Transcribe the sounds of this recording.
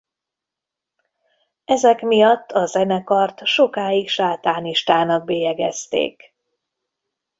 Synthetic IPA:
ɛzɛkmijɒt̪ʰːɒzɛnɛkɒrt̪ʃo̞kaːjikʃaːt̪aːniʃt̪aːnɒɡ̚beːjɛɡɛst̪ḛːk

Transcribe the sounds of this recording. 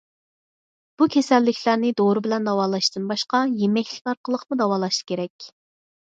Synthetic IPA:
b̥ukʲʰesɛlːɪkʲʰlæɾnɪd̪oɾɨbɪlɛnd̪ɑwɑːlˠɑʃt̪ɨnbɑʃqɑjemɛkʲʰlɪ̥kʲkɑɾqʰəlˠəqmud̪ɑwɑːlˠɑʃkʲʰeɾɛkʲ

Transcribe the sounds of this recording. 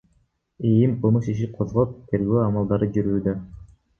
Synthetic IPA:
ejimqʰɯlˠmɯʃiʃ̬iqʰozʁop̚t̪ʰe̞ɾɡøːɑmɑlˠd̪ɑɾɯd͡ʒyɾyːd̪ø

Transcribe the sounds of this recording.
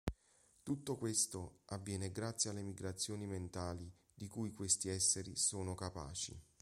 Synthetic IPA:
t̪ut̪ːokwest̪oavːjɛːneɡɾat̪sːjalːemiɡɾat̪sːjoːniment̪aːli | d̪ikujkwest̪iɛsːeɾisoːnokapa̰ːt͡ʃḭ

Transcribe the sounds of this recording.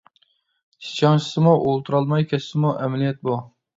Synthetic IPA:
t͡ʃʰi̥t͡ʃʰɑŋʃʰsɨmuʔolˠt̪ʰuɾɑlˠmɑjkʲʰɛsːɪmuʔɛmɛlijɛt̪̚bu

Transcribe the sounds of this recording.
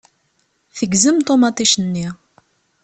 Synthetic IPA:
θəɡzəmt̪ˤomɑt̪ˤiʃənːi

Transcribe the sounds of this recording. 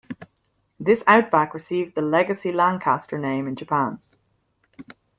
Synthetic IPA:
ðɪsaʊt̚b̥ækɹɨsivd̪ðəlɛɡɨsilɔ̃ŋkʰæstə˞nẽɪ̃mɨ̃nd͡ʒɨpʰæ̃n

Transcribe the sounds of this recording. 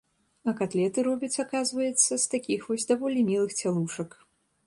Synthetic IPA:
ɐkat̪lʲɛt̪ɨɾɔbʲɐt͡sʲakazvɐjɛt̪sːɐst̪akʲixvɔsʲd̪avɔlʲimʲilˠɨxt͡sʲalˠuʂɐk

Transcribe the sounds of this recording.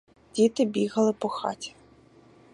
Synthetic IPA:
dʲit̪ɪbʲiɣɐlˠɪpɔxɑ̰tʲi̥

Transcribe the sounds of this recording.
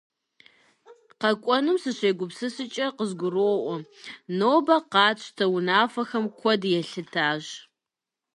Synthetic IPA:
qɐkʷʼɔnɨmsɨɕʷeːɡʷʊpsɨsɨt͡ʃʼɐqəzɡʷʊroːʔʷɔnoːbɐqɑːt͡ɕʷʰʼtʰɐwʊnaːfɐxɐmkʷʰɔdjɛɬɨtʰaːʑ

